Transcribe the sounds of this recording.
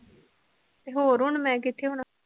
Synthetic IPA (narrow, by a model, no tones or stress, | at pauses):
t̪eːɦoːɾʊɳmɛ̃ːk̬ɪt̪ʰːeːɦʊɳ